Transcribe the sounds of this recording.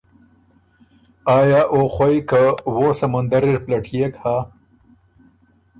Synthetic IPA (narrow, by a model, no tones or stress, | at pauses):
ɑːjɑːʔoxʷwajkawosamand̪aɾiɾplaʈʰjekha